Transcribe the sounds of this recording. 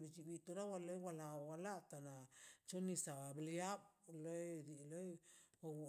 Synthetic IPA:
ɾid͡ʒiwit̪uɾawalojwalawalat̪anat͡ʃonisaabliablojɾilojwawu

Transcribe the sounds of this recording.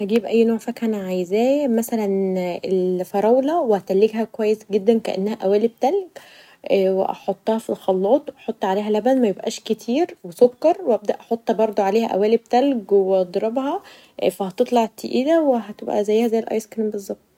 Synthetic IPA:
hæɡiːbʔæjːnoːʕfækʰænʕajezæːmæsælænelfɑɾˤɑwlæwehæt̪ælːeɡhækowæjːesɡed̪ːænkæ̰ʔḛnːæhæʔæwæːlib̚t̪ælɡ | wḛʔɑ̰ħot̪ˤːɑhɑfilxɑlːɑːt̪ˤwʔɑħot̪ˤːʕaleːɦælæbænmæjebʔæ̰ːʃket̪ʰiːɾwesokːɑɾˤweʔæb̚d̪æʔɑħot̪ˤːhɑbɑɾˤd̪ˤoʕaleːhæʔæ̰wæːlib̚t̪ælɡweʔɑd̪ˤɾˤɑbhɑ | fæhæt̪et̪ˤlɑʕt̪ʰeʔiːd̪æweɦæt̪ebʔæ̰zæjːhæzæjelʔɑ̰jskɾimbezˤːɑb̚t̪̚ˤ

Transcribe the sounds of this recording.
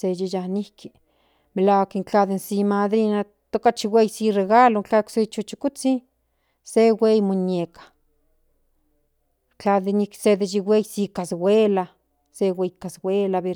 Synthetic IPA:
sed͡ʒijanihki | melaakeŋt͡ɬad̪ensimad̪ɾina | t̪okat͡ʃiwejsireɡaloŋt͡ɬakset͡ʃut͡ʃikut͡si | sewʷejmuɲekḁ | t͡ɬad̪eniksed̪ed͡ʒiwʷejsikaswʷela | sewejkaswʷelabeɾ

